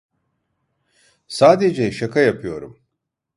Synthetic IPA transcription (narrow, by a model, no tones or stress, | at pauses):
saːd̪ed͡ʑɐjʃɐkɐjɐpjoːɾɨ̰m